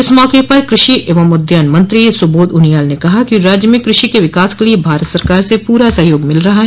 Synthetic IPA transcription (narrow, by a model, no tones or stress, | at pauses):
ɪsmɔːkepɐɾkɾɪʃieːʋəmʊd̪janmɐ̃nt̪ɾisʊboːd̪ʊnijaːlnekɐɦakiɾaːd͡ʒjəmẽkɾɪʃikeʋɪkaːskeliebʱaːɾət̪sɐɾkaːɾsepuːɾasɐɦjoːɡmɪlɾɐɦaɦɛ